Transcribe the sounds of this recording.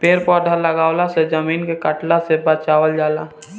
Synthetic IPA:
peːɾpɔɾɖʱələɡaːwlased͡ʒəmiːnkekəʈlasebət͡ʃaːwəld͡ʒaːlaː

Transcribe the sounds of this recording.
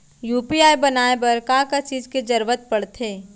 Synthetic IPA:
juːpiaːjbɐnaːepɐɾkãːkɐt͡ʃiːd͡ʒked͡ʒɐɾʋət̪̚pɐɽt̪eː

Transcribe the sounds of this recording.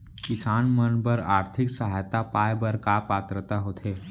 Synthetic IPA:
kɪsaːnmənbəɾaːɾt̪ʰɪksəɦaːjt̪apaːjbəɾkaːpaːt̪ɾət̪aɦoːt̪ʰeː

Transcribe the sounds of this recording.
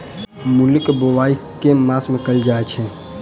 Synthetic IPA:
mulikbowaikemasmekəld͡ʒaɛt͡ʃʰɛ

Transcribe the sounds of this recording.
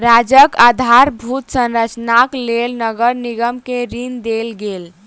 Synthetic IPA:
ɾad͡ʒəkad̪ʱaɾbʱut̪sə̃nɾət͡ʃnaklelnəɡəɾniɡəmkeɾind̪elɡel

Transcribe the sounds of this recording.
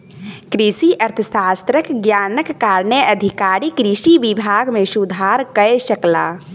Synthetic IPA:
kɾisiʔəɾt̪ʰəsast̪ɾəkɡjanəkːaɾnəəd̪ʱikaɾikɾisibibʱaɡmesud̪ʱaɾkəɛsəkla̰

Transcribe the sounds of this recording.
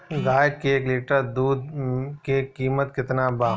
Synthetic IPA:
ɡaːjk̚keeːkliːʈəd̪uːd̪̚kekiːmət̪kɪt̪nabaː

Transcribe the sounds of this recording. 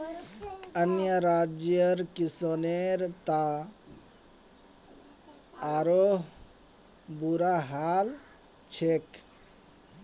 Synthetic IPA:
ənjəɾad͡ʒjəɾkisɔneɾt̪a | ɾoɦ | buɾaɦal | t͡ʃʰek

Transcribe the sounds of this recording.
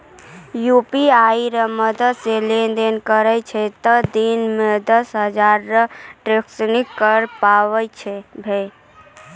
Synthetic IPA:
jupiaiɾəməd̪əd̪selend̪enkəɾɛjt͡ʃʰɛt̪əd̪inmed̪əsɦəd͡ʒaɾːəʈɾeksnikːəɾpawɛjt͡ʃʰɛbʱe

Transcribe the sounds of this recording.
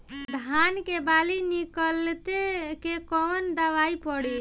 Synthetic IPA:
d̪ʱankebalinikəlt̪ekekɔnd̪əʋaipɔɽi

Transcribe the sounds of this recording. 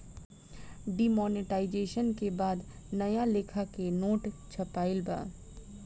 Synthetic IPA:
ɖimɔːnɪʈaːɪd͡ʒeːʃənkebaːd̪ | nɐjaleːkʰakenoːʈt͡ʃʰɐpaːɪlba̰ː

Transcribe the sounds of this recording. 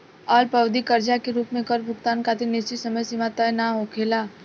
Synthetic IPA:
ɔːlpɐwd̪ikəɾd͡ʒakeɾuːpmẽkɔɾbʱʊkt̪aːnkat̪enɪst͡ʃisɐməjsɪmat̪ajnaɦokʰeːlaː

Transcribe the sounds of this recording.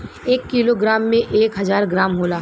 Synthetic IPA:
eːkːiloɡɾaːmːẽʔeːkɦɐzaːɾɡɾaːmɦoːlaː

